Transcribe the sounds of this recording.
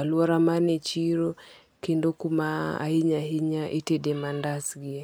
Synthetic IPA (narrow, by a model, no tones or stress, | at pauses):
aluaɾamanɛt͡ʃiɾɔ | kindokumaa̰hiɲaɦiɲaʔitɛdɛmandasɡi